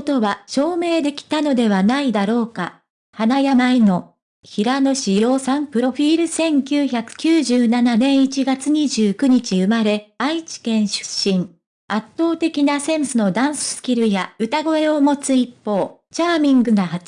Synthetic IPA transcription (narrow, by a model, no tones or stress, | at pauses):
ot̪o̞βaɕo̞ːme̞ːd̪e̞kʲi̥t̪ano̞d̪e̞βanaid̪aɾo̞ːka | hanajamaino̞ | çiɾano̞ɕijjo̞ːsãmpɯ̟ɾo̞ɸʲiːɾɯ̟sẽ̞ŋkʲɨːçakɯ̟̥kʲɨːʑɨːnananẽ̞ɰ̃it͡ɕiɡat͡sɨɲ̟iʑɨːkɯ̟ɲ̟it͡ɕiɯ̟maɾe̞ait͡ɕi̥kẽ̞ɰ̃ɕɨ̥ɕːĩŋ | at̪ːo̞ːt̪e̞kʲinasẽ̞msɨno̞d̪ãɰ̃sɨ̥sɨ̥kʲiɾɯ̟jaɯ̟t̪aɡo̞e̞o̞mo̞t͡sɨipːo̞ːt͡ɕaːmʲĩŋɡɯ̟naɦa